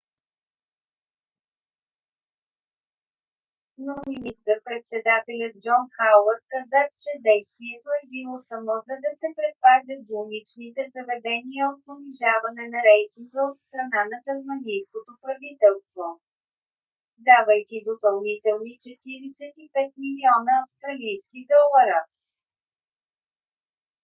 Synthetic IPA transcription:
nominist̪əɾpɾɛt̪sɛd̪at̪ɛlʲət̪̚d͡ʒɔnxawəɾkɐzat͡ʃɛd̪ɛjst̪viɛt̪oɛbilˠosɐmɔzɐd̪ɐsɛpɾɛt̪̚pazʲət̪zunit͡ʃnit̪ɛzɐvɛd̪ɛniəot̪̚poniʒavɐnɛnɐɾɛjt̪iŋɡəot̪st̪ɾɐnanɐk̪ɐzmɐnijskot̪opɾɐvit̪ɛlˠst̪vo | d̪avəjkʲid̪opɐlˠnit̪ɛlˠnit͡ʃɛt̪iɾɛsɛt̪ipɛt̪̚miliɔnəːfst̪ɾɐlijskid̪ɔlˠɐɾə

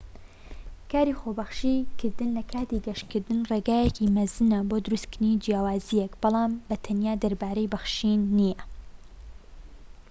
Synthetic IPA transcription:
kʰaːɾiːxoːbɐxʃikʰɨɾd̪ɨnlɐkʰaːt̪iɡɐʃkɨɾd̪ɨnreːɡaːjɛkʰimɐzɨnɐboːd̪ʊɾust̪kʰɾnid͡ʒijaːwaːzijɛkb̥ɑlˠɑːmbɐt̪ʰɐnjaːd̪ɐɾbaːɾejbɐxʃinːijɐ

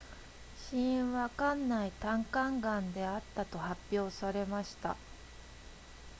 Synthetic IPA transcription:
ɕĩβakãnːait̪ãŋkãŋɡãnd̪e̞at̪ːat̪o̞hapʲːjo̞ːsaɾe̞maɕi̥t̪a̰

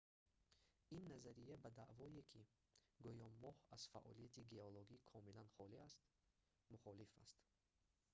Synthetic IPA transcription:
inːazaɾijabad̪aʔvɔjekʰi | ɡujɔmːɔhaz̥fa̰ʔɔ̰lijat̪ʰiɡeoloɡikʰɔmilanχɔliast̪ | muχɔlifa̰st̪

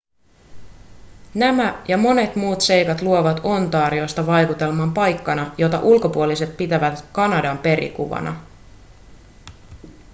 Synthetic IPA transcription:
næmæjɑmo̞ne̞t̪muːt̪se̞jkɑt̪luo̞ʋɑt̪o̞nt̪ɑːɾio̞jst̪ɑʋɑjkut̪e̞lmɑːmpɑjkːɑnɑjo̞t̪ɑ̰ʔulko̞puolise̞t̪̚pit̪æʋæt̪kɑnɑdɑmpe̞ɾḭkṵʋɑ̰nɑ̰

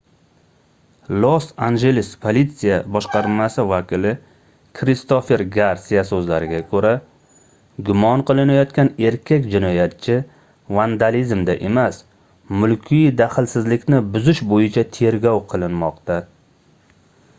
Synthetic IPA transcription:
lˠosanʒe̞lɪspʰolʲit̪sijabɒʃqɑɾmasɪvakʲɪlɪ | kʰɾɪst̪ofe̞ɾɡaɾsijasɵzlaɾɪɡʲakʰɵɾa | ɡʊmɒnqʰɨlˠɪnajɒt̪kʲane̞ɾkʲʰakʲd͡ʒɪnɒjat̪̚t͡ʃʰɪ | vand̪alizmd̪aʔe̞mas | mʊlkʲʰid̪aχɪlsɪzlɪkʲnɪbʊzɪʃbojɪt͡ʃʰat̪ʰe̞ɾɡʲɒwqʰɨlˠɪnmɒqt̪a

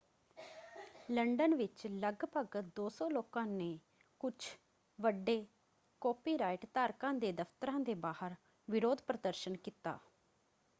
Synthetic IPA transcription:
ləɳɖənʋɪt͡ʃləɡpəɡd̪oːsɔ̃ːloːkãːneː | kʊt͡ʃʰ | ʋəɖːeː | koːpiːɾaːɪʈt̪aːɾkãːd̪eːd̪əft̪əɾãːd̪eːbaːhəɾ | ʋɪɾoːd̪pɾəd̪əɾʃənkiːt̪a̰ː

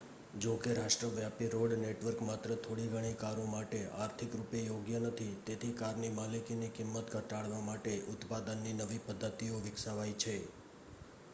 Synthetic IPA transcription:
d͡ʒokeɾaʂʈɾəʋjapiɾoɽneʈʋəɾkmat̪ɾət̪ʰoɽiɡʱəɽ̃ikaɾomaʈeaɾt̪ʰikɾupejoɡjənət̪ʰit̪et̪ʰikaɾnimalikinikɪmːət̪ɡʱəʈaɭʋamaʈeʔʊt̪pad̪ənːinəʋipəd̪ʱːət̪ioʋɪksaʋajt͡ʃʰe

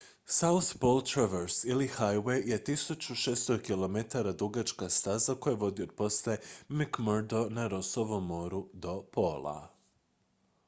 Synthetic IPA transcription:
sauspolˠt̪ɾaʋeɾsilihajwejjet̪isut͡ɕuʃest̪okilˠo̞met̪aɾad̪uɡat͡ʃkast̪azako̞jeʋo̞d̪iod̪̚po̞slemikmoɾd̪onaɾosoʋomːo̞ːɾud̪o̞pʰoːlˠa̰

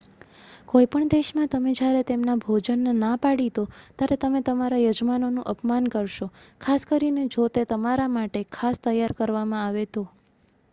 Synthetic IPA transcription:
koipəɳd̪eʃmãt̪əmed͡ʒjaɾet̪emnabʱod͡ʒənːnapaɽit̪ot̪jaɾet̪əmet̪əmaɾajod͡ʒmanonũʔəpmankəɾʃokʰaskəɾined͡ʒot̪et̪əmaɾamaʈekʰast̪əjːaɾkəɾʋamãaʋet̪o

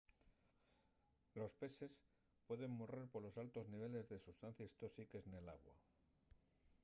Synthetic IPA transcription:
lo̞spe̞se̞s | pwe̞ðe̞mmore̞ɾpoɾlo̞salt̪o̞zniβ̞e̞le̞zðe̞sust̪an̟θjest̪o̞sike̞sne̞la̰ɣwa̰

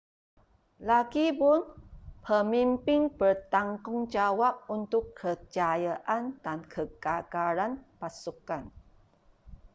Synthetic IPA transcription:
laɡibʊnpʰəmimpɪŋbərt̪aŋkʊŋd͡ʒawap̚unt̪ʊkʰːət͡ʃajaʔandankʰəɡaɡaɾanpasukan

